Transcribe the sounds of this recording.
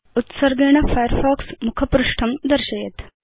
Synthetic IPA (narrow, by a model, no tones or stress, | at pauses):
ut̪səɾɡ̪eɳ̃afajəɾfɔksmukʰəpɾuʂʈʰəmd̪əɾɕɐjet̪